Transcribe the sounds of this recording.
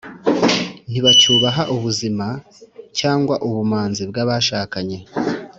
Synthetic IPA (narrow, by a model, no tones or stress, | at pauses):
n̥iβat͡ʃuːβaɦaʔuβuzima | caːŋɡwaʔuβumaːnzibɡaːβaʃaːkaɲe